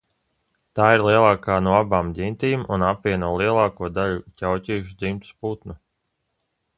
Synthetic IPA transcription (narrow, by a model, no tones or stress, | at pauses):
t̪aːiɾlˠiɛlˠaːkaːnuɔabaːmd̪ʲint̪iːmṵnapvʲiɛnuɔlˠiɛlˠaːkuɔd̪aʎucʲawcʲiːjuʃud̪zimt̪u̥sput̪nu